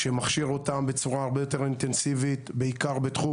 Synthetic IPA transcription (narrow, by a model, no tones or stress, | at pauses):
ʃemaχʃiʁo̞tambe̞t͡suʁaːʁbejo̞t̪e̞ʁint̪ensivitbeikaʁbet̪χu